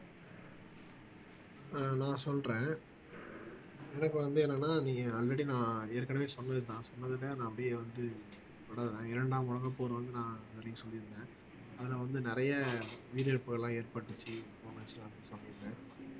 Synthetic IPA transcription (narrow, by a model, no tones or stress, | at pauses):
nãːsɔlɾẽː | ɛnɐkːɯʋɐnd̪ɯɛnɐkːɐnːaːnĩːŋɡɐɐlɾɛɽinãːeːɾkːɐɽɐʋeːsɔnːɐðɯt̪ãːsɔnːɐðɯlːenãːɐpːɐɽijeʋɐnd̪ɯ | ʋɐɽaːðɯɾẽːɪɾɐɳɖaːmʊɽɐŋɡɐpːoːɾɯʋɐnd̪ɯnãːɐðɐɾɪŋɡɐsɔlːɪɾɯnd̪ẽː | ɐðɐlaːʋɐnd̪ɯnɪɾɐjɐʋiːɾɪɾɯpːɯɣɐɭlːãːeːɾpɐʈːɯt͡ʃːɯfoːmɐsɐlaːɐpɽɪnsɔlːɪɾɯnd̪ɛ̃ː